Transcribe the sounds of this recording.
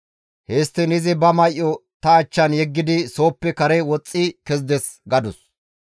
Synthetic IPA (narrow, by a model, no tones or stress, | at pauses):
heːst̪ːɪnɪzɪbɐmɐjʔːɔt̪ɐːt͡ʃːɐnjɛɡːɪd̪ɪso̞ːpːɛkɐɾɛwɔt͡sʼːikɛzd̪ɛsɡɐd̪ʊs